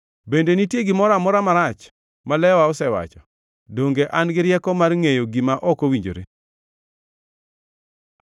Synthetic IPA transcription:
bendenitjeɡɪmɔɾamɔɾamaɾat͡ʃ | malɛwaɔsɛwa̰t͡ʃɔ | doŋɡeʔanɡɪɾɪjɛkɔmarŋejoɡimaʔɔkowiɲd͡ʒo̰ɾe

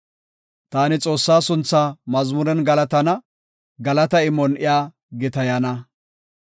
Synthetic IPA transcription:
t̪aːnɪt͡sʼo̞ːsːaːsʊnt͡sːaːmɐzmʊɾɛnɡɐlɐt̪ɐnɐ | ɡɐlɐt̪ɐɪmːɔnʔɪjaː | ɡɪt̪ɐjɐnɐ

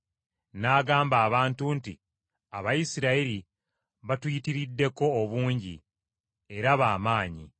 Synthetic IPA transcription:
naːɡaːmbaːβaːntunti | aβajisiɾaeɾi | βatwitiɾidːe̞ko̞ːβuːɲɟḭ | e̞ɾaβaːmaːɲḭ

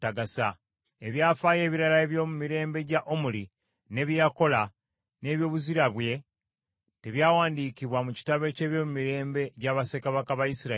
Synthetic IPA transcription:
taɡasa | eβjaːfaːje̞ːβiɾalaeβjo̞ːmumiɾe̞ːmbe̞ɟaʔomuli | ne̞βjako̞la | ne̞βjo̞ːβuziɾaβwe̞ | teβjaːwaːndiːkiβwamuci̥taβe̞ce̞ːβjo̞mumiɾe̞ːmbe̞ɟaβase̞kaβakaβaisiɾa

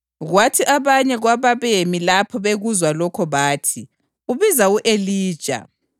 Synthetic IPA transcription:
ɣwatʰiʔaβaɲɛɣwaβaβemilapʰɔβeɣuzwalɔkʰɔβaːtʰi | uβizauʔeliːd̥ʒ̥ʱa̰

